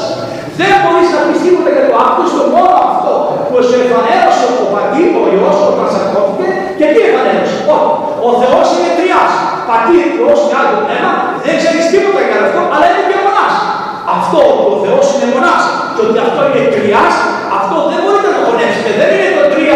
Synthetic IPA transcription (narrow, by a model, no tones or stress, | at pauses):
s | ðe̞nbo̞ɾiznɐmist̪ipot̪ɐcɐt̪oɐkosmomo̞noɐft̪o̞puosevɐneosot̪opɐt̪it̪oiosoomɐsɐɾkoθit̪e | cet̪ievɐneosot | oθe̞osinek̪ɾiɐs | pɐt̪ikostealomenɐ | ðeŋɡseçist̪ipot̪ɐkɐloft̪oʔɐlɐinepçomonas | ɐft̪o̞poθe̞o̞sinemonɐs | ceo̞t̪iɐft̪o̞inekɾiɐs | ɐft̪oðembo̞ɾit̪enɐɣonefsit̪eðeninet̪oɡ̪ɾiɐ